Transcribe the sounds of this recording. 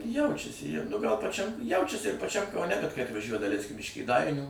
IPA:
ˈjɛʊt͡ʃʲɛsʲɪ jɛʊ nʊ ɡɐlˠ pɐˈt͡ʃʲɛm ˈjɛʊt͡ʃʲɛsʲɪ ɪr pɐˈt͡ʃʲɛm kɐʊˈnʲɛ kɐt kɐɪ ɐtʋɐˈʒʲuɔjɛ dɐˈlʲɛɪsʲkʲɪm ɪʃ kʲeːˈdɐɪnʲuː

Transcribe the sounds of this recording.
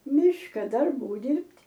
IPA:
ˈmʲɪʃkɐ dɐrˈbuː ˈdʲɪrʲpʲtʲ

